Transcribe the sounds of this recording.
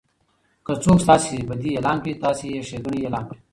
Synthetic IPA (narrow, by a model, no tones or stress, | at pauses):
kət͡soːkst̪ɑːseebɐd̪ieːlɑːnkit̪ɑːsijeʂeɡuɳieːlɑːnki